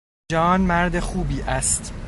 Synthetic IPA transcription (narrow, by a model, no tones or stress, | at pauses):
ɒːnmæɾd̪exuːbiːʔæst̪